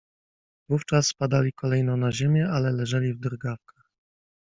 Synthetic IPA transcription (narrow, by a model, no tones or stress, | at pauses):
vuft͡ʂaspad̪alʲikʰɔlɛjnɔnaʑemʲjɛalɛlɛʐɛlʲivd̪ɾɡafkḁx